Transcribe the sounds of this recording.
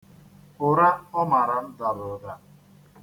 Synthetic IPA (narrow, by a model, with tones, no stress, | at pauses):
ʊ˨ɾa˦ɔ˦ma˨ɾa˨n̩˦da˨lʊ˨da˨